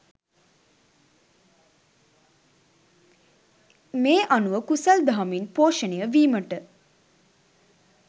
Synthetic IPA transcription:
meːʔanuʋəkusald̪aɦaminpoːʃənejəʋiːməʈə

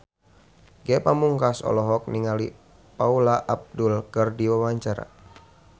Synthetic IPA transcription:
ɡɛpamuŋkasɔ̰lɔɦɔk̚niŋali | paulaʔab̚dulkɨrdiwawaɲt͡ʃaɾa̰

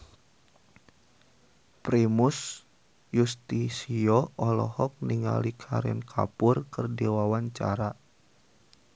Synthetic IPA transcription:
pɾimʊs | just̪isiɔɔlɔ̰hɔk̚niŋa̰likʰa̰ɾɛ̰nkʰa̰pʊrkɨrdiwawaɲt͡ʃa̰ɾa

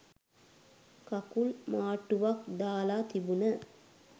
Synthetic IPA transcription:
kakulmaːʈːuʋak̚d̪aːlat̪ibunə

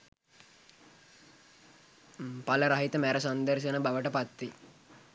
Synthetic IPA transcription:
paləɾaɦit̪əmæɾəsand̪ərʃənəbaʋəʈəpat̪ʋi

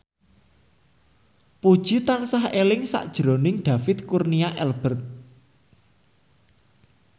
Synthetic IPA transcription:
pud̥ʒ̥i̤t̪ansahelɪŋsa̰ʔd̥ʒ̥ɾonɪŋɖ̪̥a̤fɪt̪̚kurniaʔɛlb̥ərt̪̚

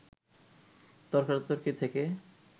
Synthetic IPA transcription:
t̪ɔɾkaɾt̪oɾkit̪ʰeke

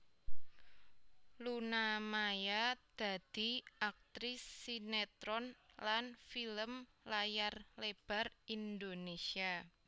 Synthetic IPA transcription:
lunamajad̪̥a̤d̪̥i̤ʔak̚t̪ɾɪsːinet̪ɾɔnlanfiləm | lajarleb̥a̤rind̪onesia

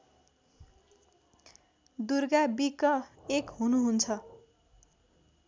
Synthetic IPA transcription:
d̪urɡabikʌekɦunuɦunt͡sʰʌ

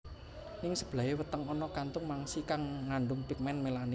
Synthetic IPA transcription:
nɪŋsəb̥la̤ewət̪əŋɔnɔkant̪ʊŋmaŋsikaŋːaɳɖʊŋpik̚mɛnmelani

